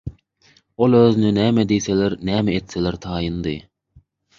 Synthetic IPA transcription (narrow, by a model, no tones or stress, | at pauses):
olˠøːzynynæːmed̪ejseleɾnæːmeet̪seleɾt̪ʰɑːjɯnd̪ɯ